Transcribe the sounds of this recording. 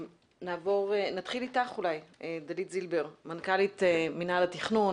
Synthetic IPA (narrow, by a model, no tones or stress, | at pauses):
naːvo̞ʁenat̪χilitaχulajed̪alitzilbeʁmankaliteminalatiχnun